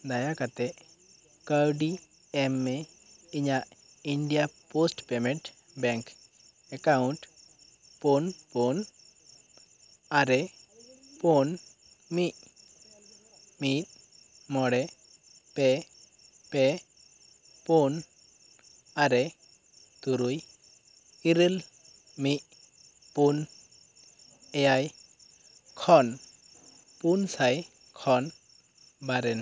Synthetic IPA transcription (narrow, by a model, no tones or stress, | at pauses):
d̪ajakat̪e | kawɖi | emːe | iɲa | iɳɖijaposʈpemeɳʈ | bɛŋk | ekauɳʈ | ponpon | aɾe | pon | mi | mit̪̚ | mɔɽe | pɛ | pɛ | pun | aɾɛ | t̪uɾuj | iɾel | mic̚ | pun | ɛjaj | kʰɔn | punsaj | kʰɔn | baɾɛn